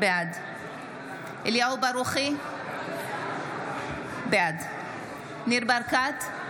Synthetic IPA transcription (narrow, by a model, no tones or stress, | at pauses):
bead̪ | iljaubaɾuχi | bead̪ | niɾbaɾkat̪